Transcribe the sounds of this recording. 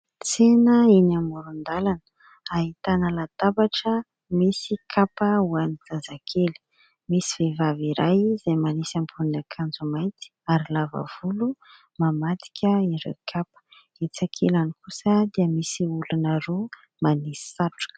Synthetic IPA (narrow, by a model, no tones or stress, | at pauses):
t͡senəinamuɾund̪alanə̥ | aɦit̪anəlat̪abaʈ͡ʂə | misikʰapəuanid͡zazakʰeli̥ | misivevaviɾajzajmanisampʰunakʰand͡zumajt̪i̥aɾilavə̰v̥ulu | mamat̪i̥kʲəiɾḛkʰapə̥ | et͡sakʰelanikʰusəd̪iəmisiulunəɾo | manisi̥saʈ͡ʂu̥